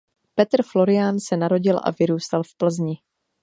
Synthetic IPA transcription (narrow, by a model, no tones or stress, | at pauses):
pɛt̪rflo̞ɾɪaːnsɛnaɾo̞ɟɪlʔa̰vɪɾuːst̪alfpl̩zɲɪ